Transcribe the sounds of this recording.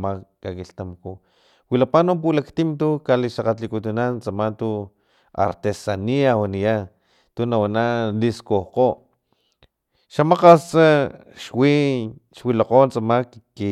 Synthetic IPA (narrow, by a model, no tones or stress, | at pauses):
maːakiɬt̪amaku | wilapanomp̬ulakt̪imt̪̬ukaliʃaqat͡ɬikut̪unant͡samant̪u | a̰ɾt̪esaniawanija | t̪unawanaliskohqoʔ | ʃamaqast͡sa | ʃwiʃwilaqont͡samakː | i